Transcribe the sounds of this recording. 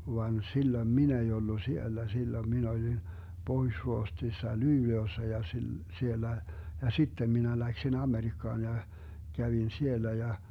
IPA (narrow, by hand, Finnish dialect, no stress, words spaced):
ʋɑn silːoĭm min ei olːu sielːæ silːoĭm min olin pohuĭʃruohtsisːɑ lyːleosːɑ jɑ sil sielːæ jɑ sitːem minæ læksin ɑmerikːɑːn jɑ kæʋin sielːæ jɑ